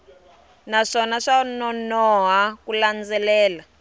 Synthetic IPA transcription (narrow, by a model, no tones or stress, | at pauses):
naʂɔnaʂanɔnɔɦakuland͡zɛlɛːla